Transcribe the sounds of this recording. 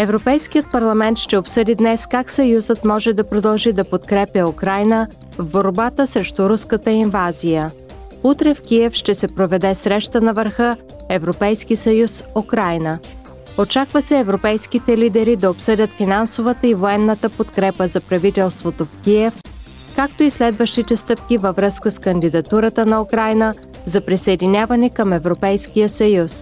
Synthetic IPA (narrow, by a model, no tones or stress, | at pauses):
ɛvɾopɛjsk̟ijət̪̚pɐɾlˠɐmɛnt̪ʃt̪ɛopsɤd̪id̪nɛskaksɐjuzət̪mɔʒɛd̪ɐpɾod̪ɐlˠʒid̪ɐpot̪kɾɛpʲjɐukɾajnə | vboɾbat̪əsɾɛʃt̪uɾuskət̪əinvazijə | ut̪ɾɛfkʲiɛfʃt̪ɛsɛpɾovɛd̪ɛsɾɛʃt̪ənɐvəɾxɤ | ɛvɾopɛjskisɐjusukɾajnə | ot͡ʃakvəsɛːvɾopɛjskit̪ɛlid̪ɛɾid̪ɐopsɤdʲət̪finansovət̪əivoɛnːət̪əpot̪kɾɛpəzɐpɾɐvit̪ɛlˠst̪vot̪ofkʲiɛf | kakt̪oislɛd̪vəʃt̪it̪ɛst̪ɤp̚kʲivəvɾɤskəskənd̪id̪ɐt̪uɾət̪ənɐukɾajnə | zɐpɾisəɛd̪inʲavɐnɛkəmɛvɾopɛjskʲijəsɐjus